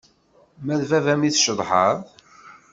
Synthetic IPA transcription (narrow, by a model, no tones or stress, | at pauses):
mæðvævæmiθʃəðˤħəɾˤ